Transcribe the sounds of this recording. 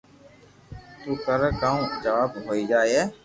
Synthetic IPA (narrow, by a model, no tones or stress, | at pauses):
t̪uːkəɾkaːũd͡ʒəʋaːbɦoːiːd͡ʒaːeeː